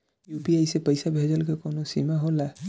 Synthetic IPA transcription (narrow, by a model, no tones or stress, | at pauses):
juːpiajsepəɪsabʱeːd͡ʒəlkekoːnosimaɦola